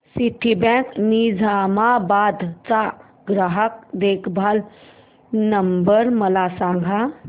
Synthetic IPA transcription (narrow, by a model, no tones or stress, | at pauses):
siʈʰibɛ̃knid͡zʱaːmabaːd̪t͡sa | ɡɾaɦək̚d̪eːkʰbʱal | nəmbəɾməlaːsãːŋɡʱa